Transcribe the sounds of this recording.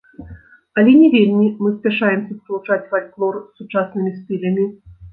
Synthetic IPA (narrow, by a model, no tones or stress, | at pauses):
ɐlʲɛnʲɛvʲelʲmʲimɨsʲpʲɛʂajɛmsʲɐspɐlˠut͡ʂat͡sʲfalʲklˠɔrsːut͡ʂasnɨmʲist̪ɨlʲɐmʲi